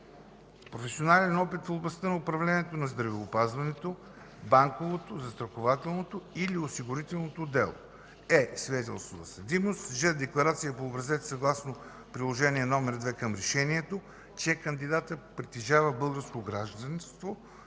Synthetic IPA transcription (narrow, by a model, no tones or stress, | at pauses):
pɾofɛsionalɛnɔpit̪foblˠɐst̪ənɐʊpɾɐvlɛniɛt̪onɐzd̪ɾɐvɛʊpazvɐnɛt̪o | baŋkovot̪ozɐst̪ɾɐxovat̪ɛlˠnot̪oiliosiɡʊɾit̪ɛlˠnot̪od̪ɛlˠo̰ | ɛsvid̪ɛt̪ɛ̰lˠst̪vot̪ɐsɐd̪imost̪ʒɛd̪ɛklˠɐɾat̪sijəpoːbɾɐzɛt̪sɐɡlˠasno | pɾilˠoʒɛniɛnɔmɛɾd̪vɛkəmɾɛʃɛniɛt̪o | t͡ʃɛkɐnd̪id̪at̪əpɾit̪iʒavəbɤlˠɡəɾskoɡɾaʒd̪ɐnst̪vo